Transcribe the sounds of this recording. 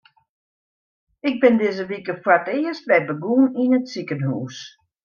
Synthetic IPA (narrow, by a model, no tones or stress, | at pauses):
ɪk̚bɪndɪzəʋikəfwatɪːəstʋɛbəɡuninətsikənhuːs